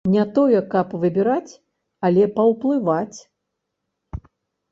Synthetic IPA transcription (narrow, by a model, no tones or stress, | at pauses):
nʲɛt̪ɔjɛkɐpvɨbʲɛɾat͡sʲ | ɐlʲɛpɐwplˠɨvat͡sʲ